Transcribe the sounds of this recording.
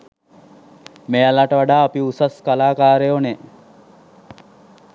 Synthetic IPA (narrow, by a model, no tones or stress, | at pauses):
mealaʈəʋaɖaːɐpiusaskalaːkaːɾejone